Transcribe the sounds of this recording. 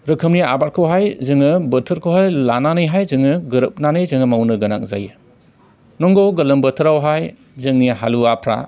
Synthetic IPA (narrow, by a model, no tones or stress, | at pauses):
ɾɯkʰɯmnia̰baɾ̚kʰɯwɦajzɯŋɯbɐtʰɯɾkʰowɦajlananɯjɦajzɯŋɯɡɯɾɯp̚nanɯjzɯŋɯmawnɯɡɐna̰k̚za̰jɯ | nɔŋɡɔɡɐlɯmbɐtʰɯɾawɦaj | zɯŋniɦaluapʰɾa̰